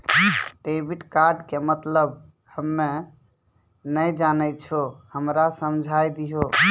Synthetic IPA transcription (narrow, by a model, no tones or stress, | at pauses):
ʈebiʈkaɾɖkemət̪ləb | həmːe | nəjd͡ʒanəjt͡ʃʰohəmɾasəmd͡ʒʱajd̪iɦo